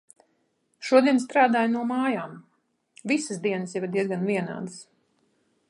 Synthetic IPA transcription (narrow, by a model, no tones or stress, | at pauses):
ʃuɔd̪iɛnst̪ɾaːd̪aːjnuɔmaːjaːm | visəsd̪iɛnəsjivad̪iɛzɡanviɛna̰ːd̪ɨs